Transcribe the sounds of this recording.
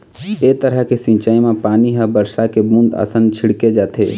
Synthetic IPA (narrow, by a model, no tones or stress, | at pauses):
eːt̪əɾəɦkesĩnt͡ʃaːimẽpaːniɦəbəɾsakebũnd̪a̰sənt͡ʃʰɪɽked͡ʒaːt̪ʰḛ